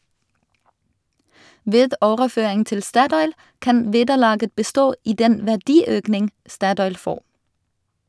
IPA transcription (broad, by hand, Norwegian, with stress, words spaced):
ˈʋeːd ˈoːʁəˌføːɪŋ ˈtɪl ˈstɑtɔʏl ˈkɑn ˈʋeːdəˌlɑːɡə bəˈstoː ˈiː ˈdɛn ʋæʁˈdiːˌøːknɪŋ ˈstɑtɔʏl ˈfoːʁ